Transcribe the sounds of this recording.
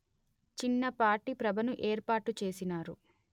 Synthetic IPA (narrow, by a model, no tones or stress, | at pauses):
t͡ʃinːɐpaːʈiːpɾɐbʱɐnuʔeːɾpaːʈːut͡ʃeːsinaːɾṵ